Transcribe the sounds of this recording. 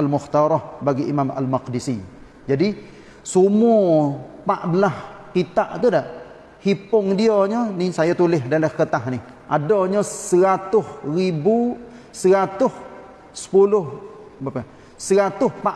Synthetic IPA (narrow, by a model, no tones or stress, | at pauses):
almʊht̪aɾɔhbaɡiʔimama̰lmaqdisi | d͡ʒadi | sumupaʔbəlaskit̪aʔt̪udaʔ | hipʊŋdiəɲɔnisajat̪ulɪɦdalahkət̪aɦnɪh | ʔa̰doɲəsəɾat̪ʊhribu | səɾat̪ʊh | sə̥pulʊh | apa | səɾat̪ʊhpa